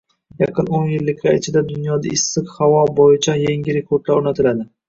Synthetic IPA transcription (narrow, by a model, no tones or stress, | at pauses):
jɑqʰɨnonjɪlːɪkʲʰaɪt͡ʃʰɪd̪ad̪ʊnjɒd̪aɪsːɪqhavɒbɒjɪt͡ʃʰajeŋʲɪɾe̞kʰoɾd̪laɾonat̪ʰɪlad̪ɪ